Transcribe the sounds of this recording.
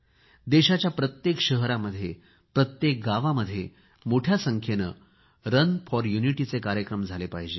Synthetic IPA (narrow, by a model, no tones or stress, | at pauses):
d̪eɕat͡ɕjapɾət̪jekɕəɦɾaməd̪ʱje | pɾət̪jek̚ɡaʋaməd̪ʱːje | moʈʰjasəŋkʰjenə | ɾənfɔɾjuniʈit͡sekaɾjəkɾəmd͡zʱalepaɦid͡ʑe